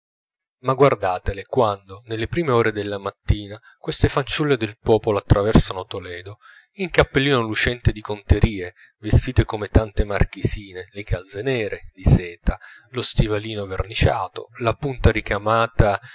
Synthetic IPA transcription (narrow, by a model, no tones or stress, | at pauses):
maɡward̪aːt̪elekwand̪onelːepɾiːmeoːɾed̪elːamat̪ːiːna | kwest̪efant͡ʃulːed̪elpɔːpoloat̪ːɾavɛrsanot̪olɛːd̪o | iŋkapːelːiːnolut͡ʃɛnt̪ed̪ikont̪eɾiːe | vest̪iːt̪ekomet̪ant̪emark̟isiːnelekʰald̪zenɛːɾed̪isɛːt̪alost̪ivaliːnovernit͡ʃa̰ːt̪o̰lapunt̪aɾikamaːt̪a